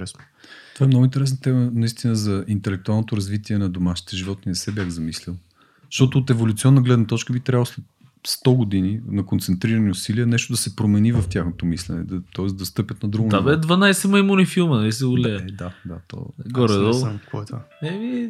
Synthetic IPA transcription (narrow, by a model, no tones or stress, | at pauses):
ɛsn | t̪ovaɛmnɔɡʊint̪ɛɾɛsnət̪ɛmənɐist̪inəzɐint̪ɛlɛk̚t̪ualˠnot̪oɾɐzvit̪iɛnɐd̪omaʃi̥t̪ɛʒivɔt̪inɛsɛbjaxzɐmislʲɛlˠ | ʃt̪ɔt̪ʊːt̪ɛvolʲut̪siɔnːəɡlɛd̪nət̪ɔt͡ʃkəbit̪ɾʲavəlˠoslɛt̪̚ | st̪ɔɡod̪ininɐkont̪sɛnt̪ɾiɾəniʊsiliənɛʃt̪ʊd̪ɐsɛpɾomɛnivɐft̪ʲjaxnot̪omislɛ̰nɛ̰d̪ɐt̪ɔɛsd̪ɐst̪ɤpʲət̪nɐd̪ɾuɡoabɛd̪vanajsɛməimunʲifilˠmənɐlis̬ɛʊlɛd̪ad̪a̰t̪ɔ̰ɡɔɾɛd̪ɔlˠkɔɛt̪vaɛmi